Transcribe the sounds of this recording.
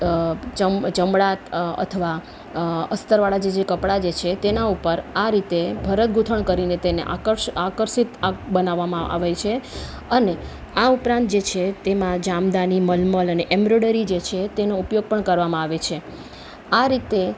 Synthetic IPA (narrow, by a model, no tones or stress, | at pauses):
t͡ʃəmt͡ʃəmɽat̪ə̰t̪ʰəʋa | əst̪əɾʋaɭad͡ʒed͡ʒekəpɽad͡ʒet͡ʃʰet̪enaupəɾaɾit̪ebʱəɾət̪̚ɡʱut̪ʰəɳkəɾinet̪eneʔa̰kəɾʃakəɾʃit̪abənaʋːamãʔa̰ʋet͡ʃʰe | əne | aupɾãnt̪̚d͡ʒet͡ʃʰet̪emãd͡ʒamd̪animəlmələneʔɛmbɾoɽəɾid͡ʒet͡ʃʰet̪enoupjoɡ̚pəɳkəɾʋamãaʋet͡ʃʰe | aɾit̪e